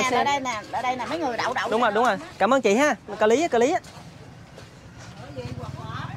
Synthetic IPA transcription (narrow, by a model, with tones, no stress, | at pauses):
əː˧˩ɗə˧jnaː˨˩ʔɗə̰ː˧˩ɗə˧jnaː˨˩mə˨˦jŋɨ˨˩əjɗa̰ː˧˨wɗa̰˧˨wɗʊ˨˦ŋ͡mŋo˨˩jɗʊ˨˦ŋ͡mo˨˩jkaː˧˩məː˧nt͡ɕḭ˧˨ɦaː˧˨˩kə˧˩li˨˦a˨˦kə˧li˨˦ʔaː˨˦